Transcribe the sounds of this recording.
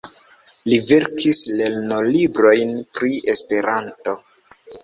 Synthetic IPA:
live̞ɾkʰisle̞ɾno̞libɾo̞jnpɾiespe̞ɾanto̞

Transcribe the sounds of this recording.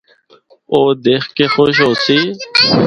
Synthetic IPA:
oːd̪eːxkeːxoːʃ̬ɦoːsiː

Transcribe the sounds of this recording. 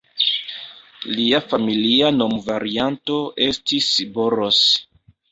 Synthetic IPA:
liafamiliano̞mvaɾianto̞ʔe̞stisboɾos

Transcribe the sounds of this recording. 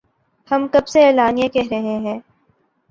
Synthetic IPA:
hɐmkɐbseeːlaːnijãkɛɦɾɐɦẽɦɛ̃ː

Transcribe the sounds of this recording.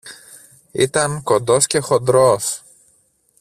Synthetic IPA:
it̪ɐŋko̞nd̪o̞sce̞xo̞nd̪ɾos

